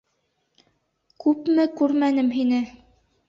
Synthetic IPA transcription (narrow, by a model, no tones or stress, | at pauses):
kʉpmɘkʉɾmænɘmɦinɘ